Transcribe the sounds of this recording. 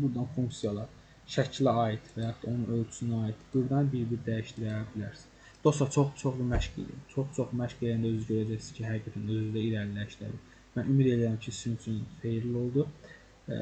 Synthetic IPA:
buɾd̪ɑnfuŋksijɑlˠɑɾ | ʃæcʰlæɑːit̪væjɑχt̪ʰɑo̞nunø̞lt͡ʃʰysynyɑːit̪ʰb̥ɯɾd̪ɑnbiɾb̪iɾd̪æjiʃt̪iɾæbilæ̰ɾsi̥z | d̪̥o̞st̪ɑt͡ʃʰo̞χt͡ʃʰo̞χlumæʃkḭlḭt͡ʃʰoχt͡ʃʰoχmæʃɡilind̪æøzyɟøɾæd͡ʒæjsizcʰiɦæɡiɡʰæt̪ʰænøzynd̪æiɾæɾlæʃlæ̰d̪i | mænymid̪e̞lijæɾimcʰisinyt͡ʃʰynfejɾlio̞lˠd̪u

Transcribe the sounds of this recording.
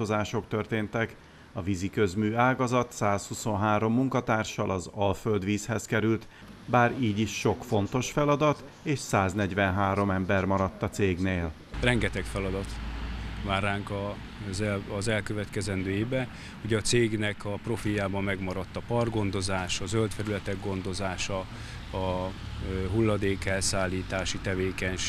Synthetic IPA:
ozaːʃo̞kt̪ø̞rt̪eːnt̪ɛk | ɒvizikø̞zmyːaːɡɒzɒt̪saːshuso̞nɦaːɾo̞mːuŋkɒt̪aːrʃɒ̰lʔɒzɒlføld̪ʋiːshɛskɛɾylt̪ | baːɾiːɟiʃːo̞kfo̞nt̪o̞ʃfɛlɒd̪ɒt̪ | eːʃsaːznɛɟvɛnɦaːɾo̞mɛmbɛrmɒɾɒt̪ːɒt̪seːɡneːl | rɛŋɡɛt̪ɛkfɛlɒd̪ɒt̪ | vaːrːaːŋkɒ | zɛzɛlkøvɛt̪kɛzɛnd̪øːibɛ | uɟɛːt̪seːɡnɛkɒpro̞fijaːbɒmːɛɡmɒɾɒt̪ːɒpɒrɡo̞nd̪o̞zaːʃɒzølt̪fɛɾylɛt̪ɛɡːo̞nd̪o̞zaːʃɒ | ɒ | ɦulːɒd̪eːkɛlsaːlːiːt̪aːʃit̪ɛveːkɛɲʃ

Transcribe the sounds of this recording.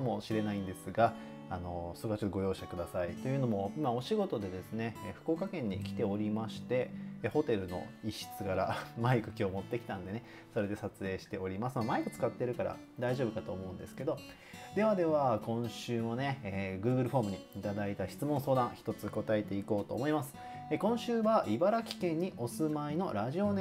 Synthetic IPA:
amo̞ɕiɾe̞naĩnd̪e̞sɨɡaː | no̞soɾeat͡ɕot̪ːoɡojo̞ːɕakɯ̟d̪asait̪o̞jɯ̟no̞mo̞imao̞ɕiɡo̞t̪o̞d̪e̞d̪e̞sɨne̞ɸɯ̟̥ko̞ːkakẽ̞ɲ̟ːikʲi̥t̪e̞o̞ɾʲimaɕi̥t̪e̞ːho̞t̪e̞ɾɯ̟no̞̰iɕi̥t͡sɨɡaɾa̰maikɯ̟kʲo̞ːmo̞t̪ːe̞kʲi̥t̪ãnd̪e̞ne̞ | so̞ɾe̞d̪e̞sat͡sɨe̞ːɕi̥t̪e̞o̞ɾʲimasɨmamaikɯ̟t͡sɨ̥kat̪ːeɾɯ̟kaɾa̰ | d̪aiʑo̞ːbɯ̟kat̪o̞ːmo̞ɯ̟̃nd̪e̞sɨ̥ke̞d̪o̞ | d̪e̞β̞ad̪e̞βakõ̞ɰ̃ɕɨːmo̞ne̞eɡɯ̟ːɡɯ̟ɾɯ̟ɸo̞ːmɯ̟ɲ̟iːt̪ad̪ait̪açi̥t͡sɨmõso̞ːd̪ãɰ̃çi̥t̪o̞t͡sɨko̞t̪ae̞t̪e̞iko̞ːt̪o̞̰ːmo̞imasɨ̥ | ekõ̞ɰ̃ɕɨːβaʔibaɾakʲi̥kẽ̞ɲ̟ːiʔo̞sɨmaino̞ɾaʑio̞ne

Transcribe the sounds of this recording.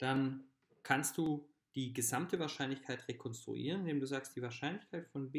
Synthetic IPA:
d̥an | kʰanst̚d̥uː | d̥iːɡəzamtʰəvaːɐʃaɪnlɪçkʰaɪtʁekʰɔnstʁ̥ṵʔḭːʁənɪndeːmduːzaːkstd̥iːvaːɐʃaɪnlɪçkʰaɪtfɔnb

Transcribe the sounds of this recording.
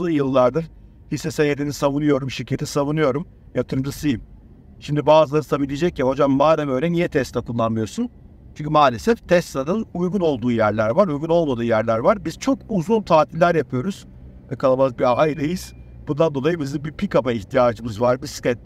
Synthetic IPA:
ɯjɯlˠːaɾd̪ɯɾ | hisɛsenjed̪ʰinisavunɯjo̞ɾumʃiɾcʰːet̪ʰisavunɯjo̞ɾum | jat̪ʰɯɾɯmd̪asɯjim | ʃimd̪ibaːzɯlˠaɾnsabilʲid͡ʒɛc̚ciho̞d͡ʒamːaːɾamø̞ːjlʲɛnijɛt̪ʰɛst̪akʰɯnlˠanmɯjo̞ɾsun | t͡ʃʰyɲʲcʰymaːlʲesɛft̪ʰɛst̪ad̪ɯnujɡuno̞lˠd̪uːjæɾlʲæɾvaɾujɡuno̞lˠmad̪ɯːjæɾlʲæɾvaɾbiz̥t͡ʃʰo̞kuzunˠt̪ʰaːt̪ʰillʲæɾjapʰɯjo̞ɾuz̥ | vɛkʰalˠamazbiajɾɯjɯz̥ | b̥und̪and̪o̞lˠajɯbizimbipʰikabaiçt̪ʰijaːd͡ʒɯmɯzvaɾbiskɛt̪̚

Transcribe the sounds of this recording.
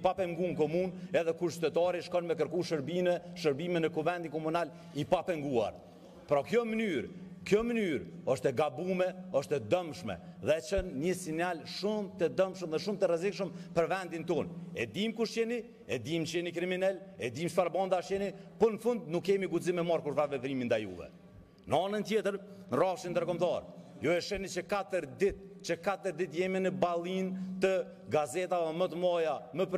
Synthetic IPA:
ipapɛŋɡunkɔmunɛðɛkuɾʃt̪ɛt̪ɑɾiʃkɔnmɛkəɾkuʃəɾbimɛʃəɾbimɛnəkuvɛnd̪inkɔmunal | ipapɛŋɡua̰ɾ | pɾɔkjɔmənyɾkjɔmənyɾɔʃt̪ɛɡabumɛɔʃt̪ɛd̪əmʃmɛ̰ðɛt͡ʃənːəsinjalʃumt̪əd̪əmʃəmðɛʃumt̪əɾɛzikʃ̬əmpəɾvɛnd̪int̪ɔnɛ̰d̪imkuʃt̪ɛni | ɛd̪imt͡ʃəɛnikɾiminɛlɛd̪imʃpaɾbɑnd̪aʃɛnipɔnəfund̪̚nukːɛmiɡuzimɛmaɾkuɾvavɛtɾimind̪ajṵvɛ̰ | nəɑnənt̪jɛt̪əɾ | nərafʃind̪əɾkɔmt̪ɑɾ | jɔɛʃɛnit͡ʃəkat̪əɾd̪it̪̚ | t͡ʃəkat̪əɾd̪it̪jɛminəbalˠint̪ə | ɡazɛt̪avɛmət̪əmɔjaməp

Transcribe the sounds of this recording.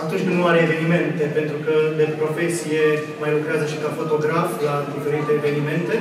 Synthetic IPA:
at̪unt͡ʃʲnuaɾeːve̞nime̞nt̪e̞pe̞nt̪ɾukəd̪epɾo̞fe̞sije | majlukɾeazəʃi̥kafo̞t̪o̞ɡɾaflad̪ife̞ɾit̪eːve̞nime̞nt̪e̞

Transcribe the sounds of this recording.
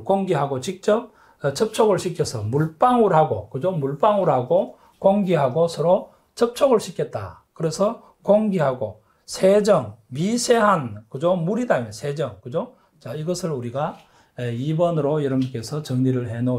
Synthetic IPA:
koŋɡiɦaɡot͡ɕik̚t͡ɕ͈ʌp̚ | t͡ɕʰʌp̚t͡ɕʰoɡɯɭɕʰikʰjʌsʰʌmuɭp͈aŋuɾɦaɡo̰kɯd͡ʑomuɭp͈aŋuɾɦaɡo | koŋɡiɦaɡosʰʌɾo | t͡ɕʰʌp̚t͡ɕʰoɡɯɭɕʰikʰet̚t͈a̰kɯɾe̞sʰʌ | koŋɡiɦaɡo̰ | sʰe̞d͡ʑʌŋmisʰeɦankɯd͡ʑomuɾidamjʌnsʰe̞d͡ʑʌŋkɯd͡ʑo | t͡ɕaiɡʌsʰɯɾuɾiɡa | eibʌnɯɾojʌɾʌbunk͈e̞sʰʌt͡ɕʌŋɲiɾɯɭɦe̞no

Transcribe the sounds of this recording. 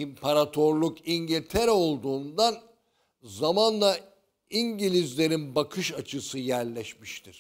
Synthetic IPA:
impʰaɾat̪ʰo̞ɾlˠukʰiɲɟilʲt̪ʰeɾɛo̞lˠd̪uːnd̪an | zamanlˠa | iɲɟilʲizlʲe̞ɾinbakʰɯʃat͡ʃʰɯsɯjæɾlʲɛʃmiʃt̪ʰiɾ̥

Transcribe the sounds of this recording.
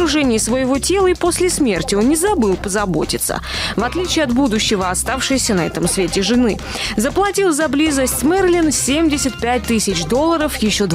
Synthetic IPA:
ɾʊʐɛnʲɪjːsvəjɪvo̞tʲe̞lˠəipo̞sʲlʲɪsmʲe̞rtʲɪo̞nːnʲɪzɐbɨlˠpəzɐbo̞̰tʲɪt̪sə̰vɐt̪lʲit͡ɕɪːɐt̪bud̪ʊɕːɪvəɐst̪afʂɨjəsʲənɐɛ̰t̪əmsvʲetʲɪʐɨnɨ | zəplˠɐtʲilˠzɐblʲizəsʲtʲsmɛrlʲinsʲemdʲɪsʲɪt̪̚pʲæt̚ʲt̪ɨsʲɪt͡ɕd̪o̞lˠːəɾəfjɪɕːo̞d̪

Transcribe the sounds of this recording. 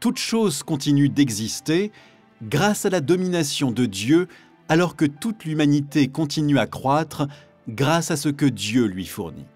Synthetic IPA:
t̪ut̪ʃozkɔ̃t̪inyd̪ɛɡzist̪e | ɡʁasalad̪ɔminasjɔ̃d̪əd̪jø | alɔʁkət̪ut̪lymanit̪ekɔ̃t̪inyakχwat̪χ | ɡʁasasəkəd̪jølɥifṵʁnḭ

